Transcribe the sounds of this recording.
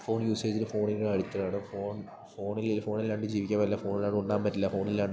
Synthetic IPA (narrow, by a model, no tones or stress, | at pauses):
fo̞ːɳjuːseːd͡ʑiɾɨfo̞ːɳilɽɐɻit̪ːɐlaːɳɨfoːɳ | foːɳilfo̞ːɳilːaːɳɖɨd͡ʑiːʋikʲːaːʋɐlːɐfo̞ːnilaːɳuɳɖaːmbɐtːilːɐfo̞ːɳilːaːɳɖ